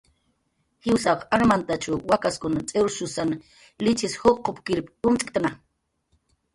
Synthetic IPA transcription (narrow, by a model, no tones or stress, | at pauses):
hɪwsaqaɾmant̪at͡ʃʊwakaskʊnat͡sʼeɾʃʊsana | lɪt͡ʃɪshoqːopkɪɾpʊmt͡sʼɪkt̪ana